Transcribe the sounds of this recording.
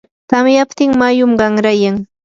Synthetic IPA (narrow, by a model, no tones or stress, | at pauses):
t̪amjapt̪ɪŋmajʊmɢɑŋɾajaŋ